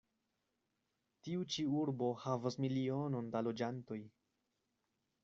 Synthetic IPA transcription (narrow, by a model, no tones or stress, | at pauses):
tiut͡ʃiuɾbo̞havasmilio̞no̞ndalo̞d͡ʒanto̞j